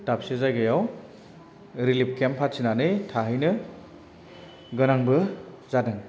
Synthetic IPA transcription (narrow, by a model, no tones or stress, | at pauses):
tap̚sezajɡajaw | ɾilip̚kempʰatsinanɯjtʰaɦɯjnɯ | ɡɯnaŋbɯ | zadɯŋ